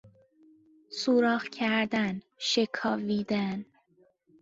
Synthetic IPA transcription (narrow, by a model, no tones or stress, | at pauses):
suɾɒːhcʰæɾd̪æn | ʃekʰɒːviːd̪æn